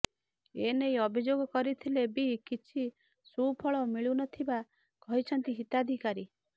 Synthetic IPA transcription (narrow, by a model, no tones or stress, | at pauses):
enejɔbʱid͡ʒoɡɔkɔɾit̪ʰilebikit͡ʃʰi | supʰɔɭɔmiɭunɔt̪ʰiba | kɔɦit͡ʃʰɔnt̪iɦit̪ad̪ʱikaɾi